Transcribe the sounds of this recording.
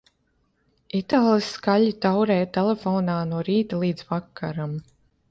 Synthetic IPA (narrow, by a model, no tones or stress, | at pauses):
it̪aːlˠiskalʲit̪awɾɛːt̪ɛlɛfɔːnaːnuɔɾiːt̪alˠiːd̪zvakʰːaɾam